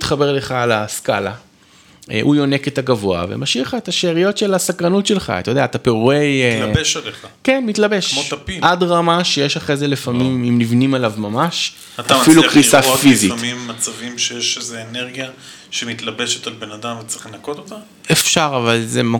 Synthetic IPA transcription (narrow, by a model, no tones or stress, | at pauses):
it̪χabeʁle̞χaːlaskala̰ | ʔujone̞ket̪aɡavoa̰vḛmaʃiʁχaetaʃeːʁijo̞tʃelasakʁanutʃelχa̰t̪ajodeaːt̪apeʁuejeʃaleχakenmit̪labe̞kʃmot̪apiʔadʁamaʃejeʃaχʁezelefamimimnivnimalavmamaʃ | atafilukʁisafizimimːat͡savimʃejeʃezeːneʁɡija | ʃemit̪labe̞ʃet̪albenad̪amvet͡seχenakot̪ot̪a | efʃaʁavalzema